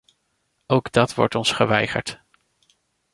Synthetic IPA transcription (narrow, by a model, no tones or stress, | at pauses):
owɡdɑtʋɔ̰ɹtɔnsχəʋɛjχə̰ɹt